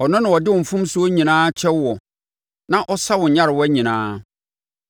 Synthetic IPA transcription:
ɔ˨nʊ̃˦nã˨ɔ˨dɪ˦wʊ̃˨m̩˨fũ˦m˦sʊ˦ɔ˦ɲĩ˨nãː˦t͡ɕʰɛ˦wwɔ˨ | nã˦ʔɔ˦sa˦wʊ̃˨ɲ˨ɲã˦ɾɪ˨wɔ˦æ˦ɲĩ˨nãː˦

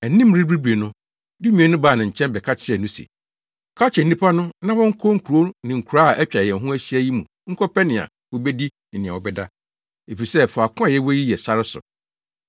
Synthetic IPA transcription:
æ˨nĩ˦m˦ɾi˦bɾi˦be˨nʊ̃˦ | dɪ˦mĩ˨ɛ˨nʊ̃˦baː˦˨nã˨ɲ̩˨t͡ɕʰɛ̃˦nbɛ˨kʰa˦t͡ɕʰɪ˦ɾɛ˨nʊ̃˦sḛ˨ | kʰa˦t͡ɕʰɪ˨n˦ĩ˦pʰa˦nʊ̃˦nã˦wɔ̃˦ŋ̩˦kʰo˦ŋ̩˦kʰu˨ɾo˦nɪ̃˨ŋ̩˨kʰu˨ɾa˦a˨ʔæ˦t͡ɕᶣa˨jɛ̃˨n̩˨ɦũ˦æ˦ɕi˦æ˦ji˦mṵ̃˨ | ŋ̩˦kʰɔ˦pʰɛ˦nɪ̃˨a̰˨ | wɔ˦bɛ˦di˦ | n̩˨nɪ̃˨ã̰˨wɔ˨bɛ˦da̰˦ | e˨fi˨sɛ˦fʊ˨a˨kʰʊ̃˦a˨jɛ˦wɔ˦ji˦jɛ˨sa˦ɾɪ˦sʊ̰˨

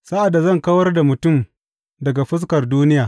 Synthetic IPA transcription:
sa˦ʔa˨dːa˨zɐ˦˨ŋkɐ˦wɐ˦rda˨mʊ˨tʊ˦˨m | dɐ˨ɡa˨ɸɪ˦s̬kɐ˨rduː˦nɪ˦jaː˨

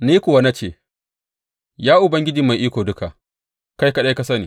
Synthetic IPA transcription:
niː˦kʷʊ˨wa˦na˦t͡ʃeː˦˨ | jaː˦ʔʊ˨bɐ˦ŋɡʲɪ˦d͡ʒiː˨ma˨jʔiː˦kʷoː˨dʊ˦ka˨ʔ | ka˦jka˨ɗa˦jka˨˦sɐ˦niː˨

